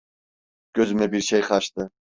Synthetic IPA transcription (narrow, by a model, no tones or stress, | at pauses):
ɡ̥øzymɛbiɾʃejχɑʃt̪ɨ